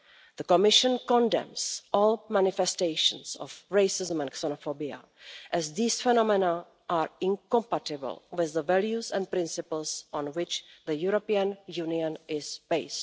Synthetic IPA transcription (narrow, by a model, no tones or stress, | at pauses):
ð̥əkomɪʃə̃nkɔ̃ndɛ̰̃msʔɔːlmænɪfɛsteɪʃə̰̃nsɔ̰fɹeɪsɪzə̃mɛ̃nksɛnofobia̰ | ʔɛzðiːsfɛnɔmɛna | ʔaːɹɪ̃ŋkɔ̃mpatɪbə̰lwɪððəvɛljusɛ̃nt̚pɾɪ̃nsɪpəl̩sʔɔ̃nwɪt͡ʃðəjuɾopiənjuːniə̃nʔɪzb̥eɪst